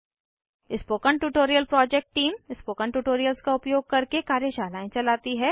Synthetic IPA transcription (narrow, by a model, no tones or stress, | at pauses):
ɪspoːkəɳʈuːʈoːɾijəlpɾɔːd͡ʒɛk̚ʈʈiːmɪspoːkəɳʈuːʈoːɾijəlskaʊpjoːɡ̚kɐɾkekaːɾjəʃaːlaːẽt͡ʃɐlaːt̪iɦɛː